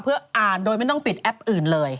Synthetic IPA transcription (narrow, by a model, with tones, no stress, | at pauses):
pʰɯ˥˩ɐʔaː˨˩ndoː˧jma˥˩jt̪ɔ˥˩ŋpi˨˩t̪̚ʔɛ˦˥p̚ʔɯː˨˩nlɤː˧j